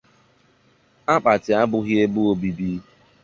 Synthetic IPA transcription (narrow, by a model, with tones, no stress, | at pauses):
a˦k͡pa˨tɪ˨a˦bʊ˨ɣje˦bʊ˦o˦bi˨bi˦